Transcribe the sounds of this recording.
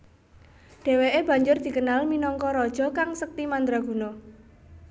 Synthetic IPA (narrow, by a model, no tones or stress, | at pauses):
ɖ̥e̤weʔeb̥ä̤ɲd͡ʒʊrd̪̥i̤kənalminɔŋkɔɾɔd̥ʒ̥ɔ̤kaŋsək̚t̪imand̪ɾaɡ̥ṳno